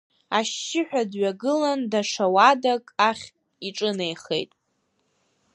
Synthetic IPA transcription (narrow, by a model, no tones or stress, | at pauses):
aʃːɪħʷᶣadɥaɡɨlandaʂawadakʼaχʲ | iʈ͡ʂʼɨne̞jχḛjtʼ